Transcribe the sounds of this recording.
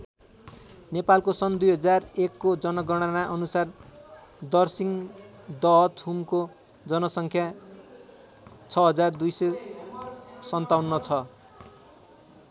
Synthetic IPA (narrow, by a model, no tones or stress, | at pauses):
nepalkosʌnd̪ujɦʌd͡zarekːod͡zʌnʌɡʌɽ̃anaʔʌnusar | d̪ʌrsiŋ | d̪ʌɦʌt̪umko | d͡zʌnʌsʌŋkʰja | t͡sʰʌɦʌd͡zard̪ujsʌj | sʌnt̪awnːʌt͡sʰʌ